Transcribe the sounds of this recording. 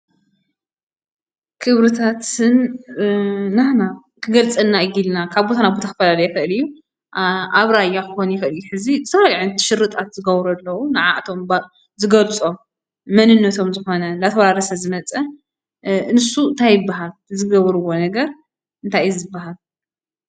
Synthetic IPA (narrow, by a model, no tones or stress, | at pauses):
kʰɨβɾɨt̪ʰat̪ɨn | ahna | kʰɨɡɐlt͡sʼɐnːaɨjilnakʰaβbot̪anabot̪ʰakɨfɐlalɐjɛxɨʔɨlɨjːu | ʔaβɾajːakɨxonjɛxɨlɨjuħɨzizɨt̪ʰɐfaliʕɨnt̪ʰʃɨɾːɨt̪ʼat̪z̥ɨɡɐβɾɐlːɐwunɨʕa̰ʔt̪ʰo̞mb | zɨɡɐlt͡sʼo̞mː | ɐnɨnːɐt̪ʰo̞mzɨxo̞nɐlat̪ʰɐwɾaɾɐsɐzɨmɐt͡sʼɐ | nɨsuɨnt̪ʰajɨbːaɦalzɨɡɐβɾɨwo̞nɐɡɐɾ | ɨnt̪ʰajzɨbːaɦal